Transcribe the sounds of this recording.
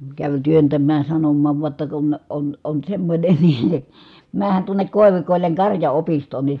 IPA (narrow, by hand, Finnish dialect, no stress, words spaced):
kæʋ tyøntæmˑæːj jɑ sɑnomːɑːʋ ʋuɑ tːɑ kun on on semːonʲe n̥i̥ mæːhˑæn tuonˑek koˑi̯ʋikoˑilːeŋ kɑrjɑopistoːn ni